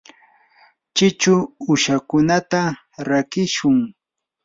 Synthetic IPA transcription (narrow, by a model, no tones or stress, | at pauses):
t͡ʃɪt͡ʃʊʊʃakʊnat̪a | ɾakɪʃʊŋ